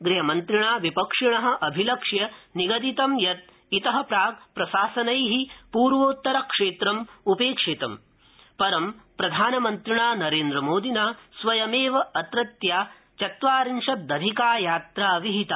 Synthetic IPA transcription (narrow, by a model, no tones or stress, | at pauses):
ɡɾiɦɐmɐnt̪ɾiɳaːʋipɐkʂiɳɐɦɐ̆ʔɐbʱilɐkʂjɐniɡɐd̪it̪ɐmjɐt̪̚ | it̪ɐɦɐpɾaːɡ̚pɾɐʃaːsɐnɐjɦipuːɾʋoːt̪ːɐɾɐkʂeːt̪ɾɐmupeːkʂet̪ɐm | pɐɾɐmpɾɐd̪ʱaːnɐmɐnt̪ɾiɳaːnɐɾeːnd̪ɾɐmoːd̪inaːsʋɐjɐmeːʋɐɐt̪ɾɐt̪jaː | t͡ʃɐt̪ʋaːɾinʂɐd̪ɐd̪ʱikaːjaːt̪ɾaːɐʋiɦit̪a